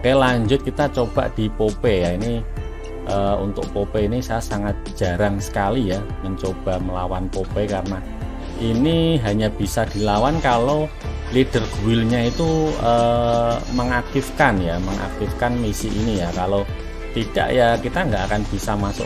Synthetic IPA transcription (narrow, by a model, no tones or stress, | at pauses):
kalaɲd͡ʒʊt̪̚kit̪at͡ʃob̥a̤ʔd̪̥i̤popejaini | ʔəṵnt̪ʊ̰ʔpopeinisaasaŋat̪̚ʒ̥a̤ɾaŋsə̥kalija | məɲt͡ʃob̥a̤məlawanpopekarəna | ʔiniɦaɲab̥i̤sad̪̥i̤lawankalo | liɖ̥ərɡ̥uwɪlɲait̪uə | məŋak̚t̪ifkanjaməŋa̰k̚t̪ifkanmisɪʔinijakalo | t̪id̥a̰ʔjakit̪aŋɡaʔakanb̥isamasʊ̰ʔ